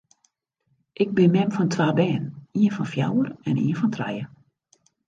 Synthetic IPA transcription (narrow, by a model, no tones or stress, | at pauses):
ʔɪɡ̚bɪnmɛmfɔntʰʋaːbɛːniənfɔnfja̰wərɛnḭənfɔntʰrɛ̰jə